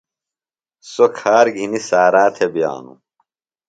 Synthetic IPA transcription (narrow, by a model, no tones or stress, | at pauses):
sokʰaːɾɡʱinisaːɾaːt̪ʰebija̰ːnṵ